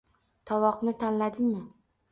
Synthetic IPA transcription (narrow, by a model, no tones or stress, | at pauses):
t̪ʰɒwɒqnɪt̪ʰanlad̪ɪmɪ